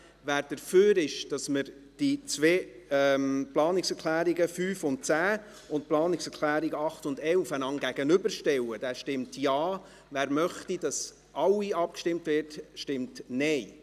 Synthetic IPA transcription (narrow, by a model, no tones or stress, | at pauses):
væːɾd̥əɾføːɾɪʃd̥ɑsməɾ | d̥it͡sʋeːɛmplɑːnɪksɛɾkʰlæːɾiɡəfyːfʊnt̚t͡sæː | ʊntplɑːnɪksɛɾkʰlæːɾiɡəɑχtʊndɛlfænɑŋɡæɡənʏbəɾʃtɛwəd̥ɛːʃtɪmtjɑː | væːɾmœχtid̥ɑs | ʔɑwiɑp̚kʃtɪmtvɪɾtʃtɪmtnɛɪ